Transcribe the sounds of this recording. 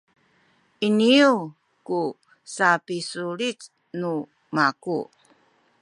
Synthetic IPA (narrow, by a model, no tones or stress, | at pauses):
iniu | ku | sapisuɭit͡s | nu | maku